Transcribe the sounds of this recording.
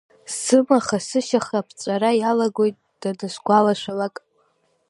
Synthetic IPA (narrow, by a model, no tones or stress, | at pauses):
sɨmaχasɨʃaχapʰt͡ʃʷʼaɾajalaɡʷo̞jtʼd̥anɨʃʷɡʷalaʃʷᶣalakʼ